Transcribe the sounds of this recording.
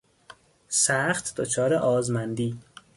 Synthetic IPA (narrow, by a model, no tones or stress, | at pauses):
sæχt̪ʰd̪ot͡ʃʰɒːɾeʔɒːzmænd̪iː